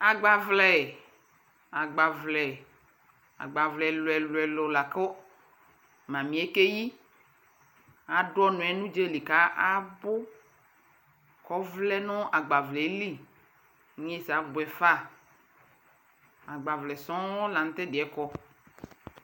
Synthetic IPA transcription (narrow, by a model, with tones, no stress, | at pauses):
a˨ɡ͡ba˨vlɛ˨ | a˨ɡ͡ba˨vlɛ˨ | a̰˨ɡ͡ba˨vlɛ˨lo˨ɛ˨lo˨ɛ˨lo˨la˨ko˦ | mã˨mĩ˨˦e˦ke˦ji˦ | a˨ɖɔ˦nũ˨ɛ˨nũ˦d͡ʒe˦le˨ka˦ʔa˦bo˦ | kɔ˦vlɛ˦nɔ̃˦ʔa˨ɡ͡ba˨vlɛ˨˦li˦ | ɲ˦e˦sa˨˦bo˨ɛ˨fa˦ | a˨ɡ͡ba˨vlɛ˨sɔ̃˦ɔ˦la˨ŋ̩˦t̪e˦de˨ɛ˦kɔ˦